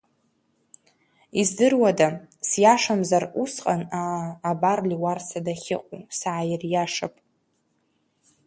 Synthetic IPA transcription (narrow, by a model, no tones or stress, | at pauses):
izdɨrwadasjaʂamzarusqʼanaːbarliwarsadaχʲɪ̰qʼusaʕajɪrjaʂapʼ